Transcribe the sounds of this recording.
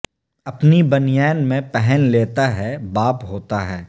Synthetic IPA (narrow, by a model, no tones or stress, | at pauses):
ɐpnibɐnɪjɛːnmẽpɛɦɛnleːt̪aɦɛbaːpɦoːt̪aɦɛː